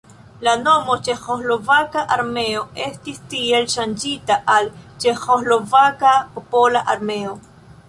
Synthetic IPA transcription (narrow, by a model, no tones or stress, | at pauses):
lano̞mot͡ʃe̞xoslo̞vakaʔaɾme̞o̞e̞stistie̞lʃand͡ʒitaʔalt͡ʃe̞xozlo̞vakapopolaʔaɾme̞o̞